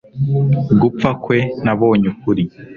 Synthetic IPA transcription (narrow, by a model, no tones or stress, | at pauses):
ɡup̪p͡fakwe̞naβoːɲukuɾi